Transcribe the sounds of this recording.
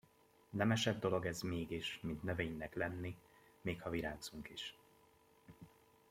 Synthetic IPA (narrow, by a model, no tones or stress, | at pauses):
nɛmɛʃɛd̪̚ːo̞lo̞ɡɛzmeːɡiʃmint̪nøveːɲnɛklɛnːi | meːkhɒviɾaːnsuŋkiʃ